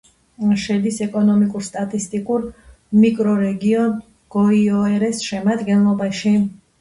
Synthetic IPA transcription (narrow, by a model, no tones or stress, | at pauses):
ʃɛd̪isɛkʼɔnɔmikʼuɾst̪ʼat̪ʼist̪ʼikʼuɾ | mikʼɾɔɾɛɡiɔn | ɡ̥ɔiɔɛɾɛsʃɛmad̪ɡɛnlˠɔbaʃi